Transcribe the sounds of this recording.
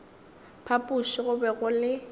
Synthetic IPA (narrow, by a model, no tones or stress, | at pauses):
pʰapʼuʃɪɣʊbɛɣʊlɪ